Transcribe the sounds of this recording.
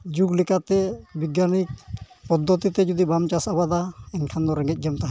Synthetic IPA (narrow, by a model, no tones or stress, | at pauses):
d͡ʒuɡlɛkat̪ɛbiɡjanik̚ | pɔd̪ːɔt̪it̪ɛd͡ʒɔd̪ibamt͡ʃasabad̪aɛnkʰand̪ɔɾɛŋɡɛc̪̚ˀd͡ʒəmt̪aɦ